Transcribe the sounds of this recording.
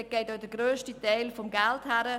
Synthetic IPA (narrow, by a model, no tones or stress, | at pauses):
ɡ̥eɪtoʊd̥əɡɾøːstitɛɪlfɔmɡælthæɾə